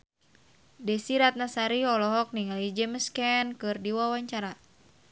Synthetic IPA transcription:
dɛsiɾat̪̚nasaɾiɔlɔɦɔk̚niŋalid͡ʒɛməskɛnkɨrdiwawaɲt͡ʃaɾa

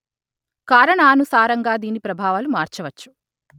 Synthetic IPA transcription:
kaːɾɐɳaaːnusaːɾɐŋɡaːd̪iːnipɾɐbʱaːʋalumaːɾt͡ʃɐʋɐt͡ʃːu̥

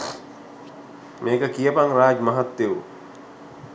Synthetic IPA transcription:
meːkəkijəpaŋraːd͡ʒmɐɦat̪ːeʋu

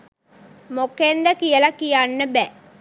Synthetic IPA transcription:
mokend̪ɐkijɐlɐkijanːəbæ

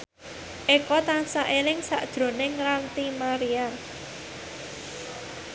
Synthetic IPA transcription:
ʔekɔt̪ansaʔelɪŋsa̰ʔd̥ʒ̥ɾo̤nɪŋɾant̪imaɾia

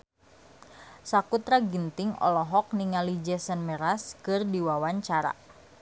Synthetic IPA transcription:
sakut̪ɾaɡint̪ɪŋɔ̰lɔɦɔk̚niŋalid͡ʒɛsənmɛɾaskɨrdiwawaɲt͡ʃaɾa̰

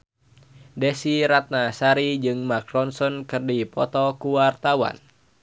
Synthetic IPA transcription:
dɛsiɾat̪̚nasaɾid͡ʒɨŋmakrɔnsɔnkɨrdipɔt̪ɔkuwart̪awa̰n

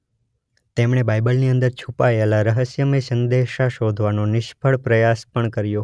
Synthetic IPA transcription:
t̪emɳ̃ebajbəlniənd̪əɾt͡ʃʰupaelaɾəɦəsjəmisənd̪eʃaʃod̪ʱʋanonɪʃpʰəɭpɾəjaspəɳkəɾjo

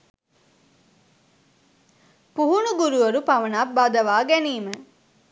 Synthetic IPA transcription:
puɦunuɡuɾuʋɐɾupɐʋɐnaːbːad̪ɐʋaːɡæniːmə

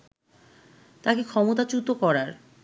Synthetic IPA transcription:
t̪akekʰɔmot̪at͡ɕut̪okɔɾaɾ

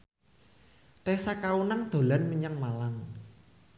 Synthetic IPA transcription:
t̪ɛsakaunaŋd̪̥o̤lanməɲaŋmalaŋ

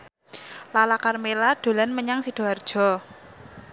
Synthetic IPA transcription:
lalakarmelaɖ̥o̤lanməɲaŋsid̥o̤ard̥ʒ̥ɔ̤

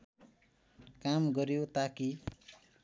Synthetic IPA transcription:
kamɡʌɾijot̪aki

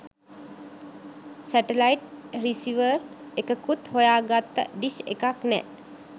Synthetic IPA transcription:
sɛʈelajʈrisiʋərekəkut̪hojaːɡat̪ːə̰ɖisḛkaknɛ̰

